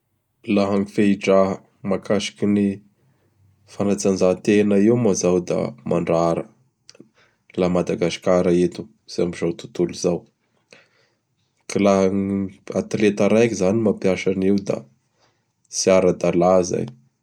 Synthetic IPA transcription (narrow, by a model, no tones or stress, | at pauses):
laɦaŋifeiʈ͡ʂaɦ | makʰaʃi̥kini | fanat͡sanzat̪enaiwmazawd̪a̰mʔaɳɖ͡ʐaɾə | lamad̪aɡasi̥kaɾaet̪u̥ | z̥eambizat̪u̥t̪uluzaw | kilaɦaŋat̪let̪aɾajkizanimapjaʃaniwd̪a̰ | siaɾəd̪alaza̰j